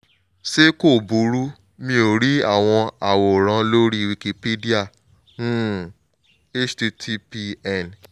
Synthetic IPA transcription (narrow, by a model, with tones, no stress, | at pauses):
se˦ko˦˨bu˨˦ɾu˦ | mĩ˧o˨ɾi˦a̰˦˨w̃ɔ̃˧a˨wo˨ɾ̃ã˧˦lo˦ɾi˦wi˧ki˧pe˦di˦a˦˨ | nũ˦ | e˦t͡ʃti˧tʰi˧pi˧ɛ˦˨n